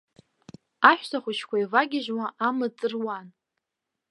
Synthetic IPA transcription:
aʃʷᶣtʰaχʷʊt͡ʃʰkʷaivaɡʲɪʒwaʔamɨd͡zɨrwan

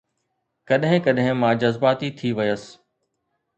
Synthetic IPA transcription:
kɐɗɦɪ̃kɐɗɦɪ̃mãːd͡ʑɐzbaːt̪it̪ʰiʋɪjəs

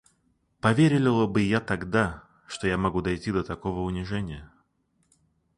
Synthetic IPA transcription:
pɐvʲeɾʲɪlʲɪlˠəbɨjat̪ɐɡd̪a | ʂt̪o̞jamɐɡud̪ɐjtʲid̪ət̪ɐko̞vəʊnʲɪʐɛnʲɪjə

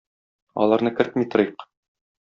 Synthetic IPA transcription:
ɒ̰lˠɑɾnɤkɘ̆ɾt̪mit̪ŏɾiq

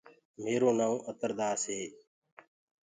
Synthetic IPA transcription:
meːɾoːnaːũːʔət̪əɾd̪aːseː

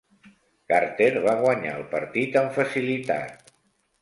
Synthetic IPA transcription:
kaɾt̪eɾβaɣ̞wəɲa̰əlˠpəɾt̪it̪əɱfəsilit̪a̰t̪̚

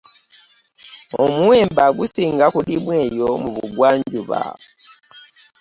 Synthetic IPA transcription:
omuwe̞ːmbaɡusiːŋɡakulimwe̞ːjo̞muβuɡwaːɲɟuβa̰

